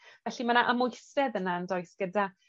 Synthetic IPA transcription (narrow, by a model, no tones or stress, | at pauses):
vɛɬimanaʔəmʊjsɛðənaəndoɨsɡ̥əda